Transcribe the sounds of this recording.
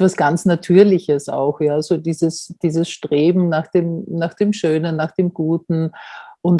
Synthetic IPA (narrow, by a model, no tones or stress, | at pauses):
vasɡ̥ant͡snatʰyːɐlɪçəsa̰ʊxjaːzodiːzəsd̥iːzəsʃtʁ̥eːbm̩naːxd̥eːmnaːxd̥eːmʃøːnənːaːxd̥eːmɡ̥uːtn̩ʔʊnt